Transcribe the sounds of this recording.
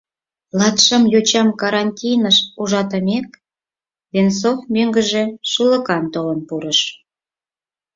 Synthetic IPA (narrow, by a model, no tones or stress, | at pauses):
lɑt̪ʃə̆mjot͡ɕɑmkɑɾɑnʲtʲijnəʃuʒɑt̪əmek̚ | βensofmøŋɡə̆ʒe̽ʃulə̆kɑnt̪olənpuɾəʃ